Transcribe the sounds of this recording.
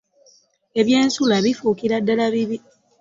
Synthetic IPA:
e̞βje̞ːnsulaβifuːkiɾadːalaβiβi

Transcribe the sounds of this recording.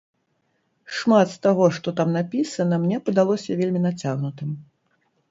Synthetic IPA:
ʂmat̪st̪aɣɔʂt̪ɔt̪amnapʲisɐnɐmnʲɛpɐd̪alˠɔsʲɐvʲelʲmʲinat͡sʲaɣnut̪ɨm

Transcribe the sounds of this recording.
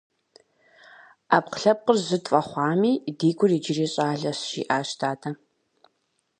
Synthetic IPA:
aːpqəɬɐp̚qərzɨtʼfʼɐχʷɑːmiːdiːɡʷʰʊriːd͡ʒɪriːɕʼaːɮɐsʃḭːʔaːʃtʰaːtʰɐ

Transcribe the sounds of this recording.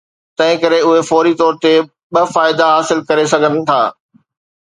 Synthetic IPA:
t̪ɐ̃ɦɪ̃kɐɾeʊɦefɔːɾit̪ɔːɾt̪e | ɓɐfaːɪd̪aɦaːsɪlkɐɾesɐɡʱənɪ̆t̪ʰaː

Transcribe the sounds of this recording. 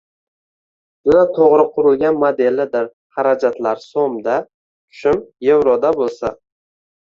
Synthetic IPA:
d̪ɪnat̪ʰoʁɾɪqʰʊɾɪlˠɡʲanmod̪e̞lːɪd̪ɪɾ | haɾad͡ʒat̪laɾsomd̪a | t͡ʃʰʊ̥ʃɪmjewɾɒd̪abolˠsa

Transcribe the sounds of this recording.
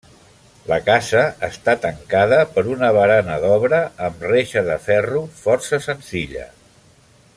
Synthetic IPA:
ləkasəːst̪at̪əŋkaðəpəɾunəβəɾanəðɔβɾəəmreʃəðəfɛrufɔrsəsənziʎə̰

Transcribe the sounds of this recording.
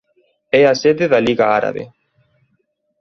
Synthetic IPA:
easeðeðaliɣaaɾa̰βḛ

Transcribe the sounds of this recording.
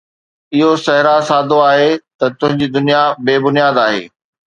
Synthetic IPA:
ɪɦosɐɦɪɾasaːd̪ʱoaːɦet̪ɐt̪ʊ̃ɦɪ̃ɲd͡ʑiːd̪ʊnijabeːbʊnijaːd̪aːɦḛː

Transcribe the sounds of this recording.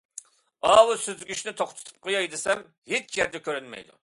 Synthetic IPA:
ɑːwɨsyzɡʲyʃnɪt̪ʰoχt̪ʰɨ̥t̪ʰɨ̥p̚qʰojɑjd̪ɨsɛm | het͡ʃʰjɛɾd̪ɛkʲøɾynmɛ̰jd̪ṵ

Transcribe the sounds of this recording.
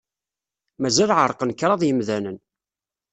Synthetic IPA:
mæzælʕəɾˤqənkːɾˤɑðˤjəmðænən

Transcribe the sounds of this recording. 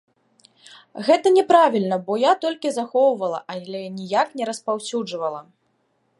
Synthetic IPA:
ɣɛt̪ɐnʲɛpɾavʲilʲnɐbɔjat̪ɔlʲkʲizaxɔwvɐlˠɐ̰ʔalʲɛnʲijaknʲɛɾɐspawsʲud͡ʐvɐlˠɐ

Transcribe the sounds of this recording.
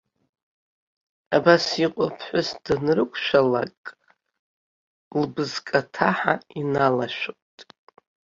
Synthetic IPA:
abasiqʷʼapʰħʷʊsdɨnrɨkʷʰʃʷᶣala̰kʼ | lbɨzkʼatʰaħainalaʃᶣo | tʼ

